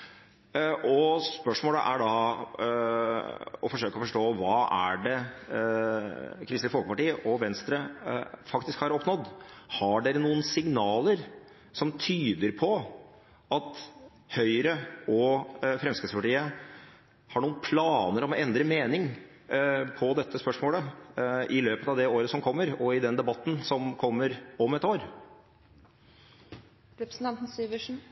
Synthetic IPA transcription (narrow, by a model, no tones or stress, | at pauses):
ʔɔspœʂmoːlə̰ʔæɖɑ | ɔfɔʂøːkɔfɔʂʈoːʋɑːæ̰ɖɛ | kʰɾɪsəfɔlkpɑʈiːəʔɔʋɛnst̪ɾəfɑkt̪ɪskhɑɾɔpːnɔd̪hɑɖɛɾnuːənsɪŋnɑːləɾ | sɔmt̪ʰyːd̪əɾpʰɔ | ɑt̪ | hœʏɾəɔfɾɛmskɾɪspɑʈiːə | hɑɳuːənpʰlɑːnəɾɔmɛnd̪ɾəmeːnɪŋ | pʰɔd̪ɛt̪ʰːəspœʂmoːlə | ɪløːpət̪ɑʋd̪ɛoːɾəsɔmkʰɔmːəɾɔɪd̪ɛnd̪ɛbɑt̪ːn̩sɔmkʰɔmːəɾɔmɛt̪oːɾ | ɾɛpɾsn̩t̪ɑnt̪n̩syːʋəʂn̩